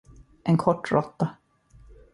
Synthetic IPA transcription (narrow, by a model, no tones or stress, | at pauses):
ʔɛnkʰɔʈːɾɔt̪ːa